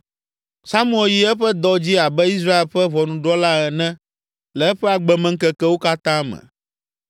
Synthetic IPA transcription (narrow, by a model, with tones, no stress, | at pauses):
sa˦mũ˦e˨ji˦ɛ˦ɸɛ˦d̪ɔ˦d͡ʑi˦a˨bɛ˦i˦s̬ɾa˦e˨lɸɛ˦vɔ˨nũ˨ɖɔ˦la˦ɛ˨nɛ̃˦ | lɛ˨ɛ˦ɸɛ˦a˨ɡ͡bɛ˨mɛ̃˦ŋ̩˦kɛ˦kɛ˦wo˦ka˦t̪ã˦mɛ̰̃˨